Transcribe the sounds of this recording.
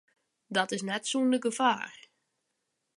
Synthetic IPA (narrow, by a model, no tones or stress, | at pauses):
dɔtɪsnɛtsuːndəɡəvaːr